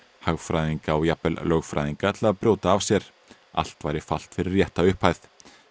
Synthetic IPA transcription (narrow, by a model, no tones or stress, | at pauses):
haɣfɾajðiŋkaɔjapɛllœɣfɾa̰jðiŋkat̪ʰɪlaðpɾjoːwt̪aːv̥sjɛɾ̥ | ʔa̰l̥t̪vaːjɾɪfal̥t̪fɪɾɪrːjɛht̪aʏhphajθ